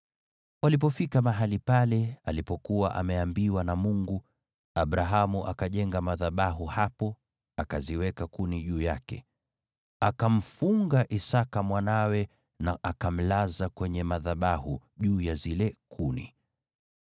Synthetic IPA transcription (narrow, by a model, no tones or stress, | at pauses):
walip̬ɔfikamaɦalipalɛalipɔkuwaʔa̰mɛambiwanamuŋɡu | aɓɾaɦamuʔakaʄɛŋɡamaðaɓaɦuhapɔ | akaziwɛkakuniʄuːjakɛ̰ | akam̩fuŋɡaʔisakamwanawɛ | naʔakam̩lazakwɛɲɛmaðaɓahuʄuːjazilɛkʰunḭ